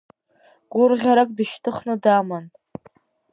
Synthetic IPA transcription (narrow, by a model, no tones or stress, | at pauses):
ɡ̥ʷʊrʁʲaɾakʼdɨʃtʰɨχnɨdaman